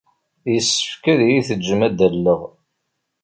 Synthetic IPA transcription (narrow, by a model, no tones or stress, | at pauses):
jəsːə̥fkæðjiθəd͡ʒːəmæd̪əlːəʁ